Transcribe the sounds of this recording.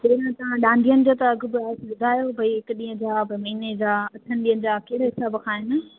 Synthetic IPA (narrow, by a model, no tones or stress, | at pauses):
d͡ʑɐnãt̪ɐʋ̤ãɗãːnɖʱijənɪ̆d͡ʑoːt̪ɐɐɡʱʊ̆bɪaːsbʊd̪ʱaːjobʱɐiɦɪkɗĩːɦə̃d͡ʑaːbmɐɦined͡ʑaːɐt̪ʰənɪ̆ɗiːɦə̃nɪ̆d͡ʑaːkeɦɽaɦɪsaːbkʰaːɦɪnə